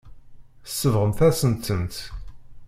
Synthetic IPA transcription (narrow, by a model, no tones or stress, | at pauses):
θəsːəvʁəmθæsənt̪ːənt̪